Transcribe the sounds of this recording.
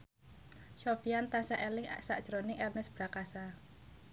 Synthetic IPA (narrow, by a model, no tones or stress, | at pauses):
ʃofiant̪asaʔelɪŋsa̰ʔd̥ʒ̥ɾonɪŋʔɛrnɛsb̥ɾakasa